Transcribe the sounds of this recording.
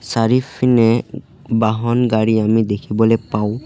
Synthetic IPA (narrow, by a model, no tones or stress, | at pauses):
saɹifʰinɛ | baɦɔnɡaɹiamidekʰibɔlɛpaw